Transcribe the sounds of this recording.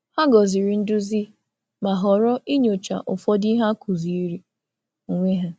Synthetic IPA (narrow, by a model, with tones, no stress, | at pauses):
ha˦ɡɔ˨zi˨ɾi˨˦n̩˦dʊ˦zi˦ | ma˨ɦɔ˨ɾɔ˦i˦ɲo˨t͡ʃa̰˨ʔʊ˨fɔ˦di˦ɦa˦ku˨zi˨i˦ɾi˦˨ | ŋʷe˦ɦa˦